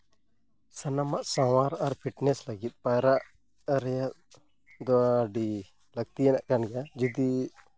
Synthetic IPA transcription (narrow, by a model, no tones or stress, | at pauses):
sɐnamaʔsawaɾaɾpʰiʈnɛsləɡit̪̚pajɾaʔ | ɾja | d̪ɔaɖi | ləɡ̚t̪iɛnaʔkanɡad͡ʒud̪i